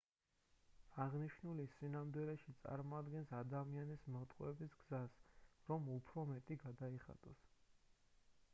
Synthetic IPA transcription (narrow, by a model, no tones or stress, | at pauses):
aʁniʃnulisinamd̪wilɛʃit̪sʼa̰ɾmɔad̪ɡɛnsad̪amianismɔt̪ʼqʼwɛbisɡz̥asɾɔmupʰɾɔmɛt̪ʼiɡad̪aiχa̰t̪ʼɔs